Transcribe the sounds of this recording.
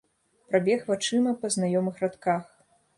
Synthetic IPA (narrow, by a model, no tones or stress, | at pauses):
pɾabʲɛxvat͡ʂɨmɐpɐznajɔmɨxrat̪kax